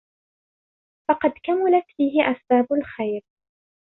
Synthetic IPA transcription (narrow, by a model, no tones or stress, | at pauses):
fɑqɑd̪kamalat̪fiːɦɪʔasbaːbʊlxajɾ